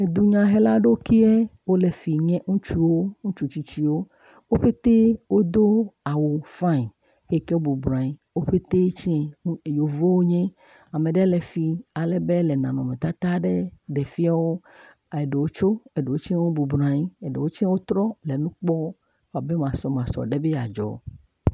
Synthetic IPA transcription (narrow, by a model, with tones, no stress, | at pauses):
e˨d̪u˦ɲã˨ɦe˦la˦ɖe˦o˦ki˦ɛ˦wo˦le˨fi˨ɲẽ˦ŋũ˦t͡ʃu˦wo˦ŋũ˦t͡ʃu˦t͡ʃi˦t͡ɕi˦wo˦ | wo˦ɸe˦t̪e˦wo˦d̪o˦a˨wu˨fã˦˨i˨ | e˦ke˦wo˦bu˨bɾã˨i˦wo˦ɸe˦t̪e˦t͡ʃe˦˨jo˨vo˦wo˦ɲẽ˦ | a˨mẽ˨ɖɛ˦le˨fi˨a˨le˨be˦le˨nã˨nɔ̃˨mẽ˨t̪a˦t̪a˦ɖe˦ɖe˨fi˦a˦wo˦ | e˨ɖe˨wo˦t͡ʃo˦e˨ɖe˨wo˦t͡ʃwo˦bu˨bɾã˨ji˦e˨ɖe˨wo˦t͡ʃi˦ɛ̃˦wo˦t̪ɾɔ˦le˨nũ˦k͡pɔ˦˨ | a˨be˦m˨ã˨sɔ˨m˨ã˨sɔ̰˨ɖe˦be˦ja˨d͡ʒɔ̰˨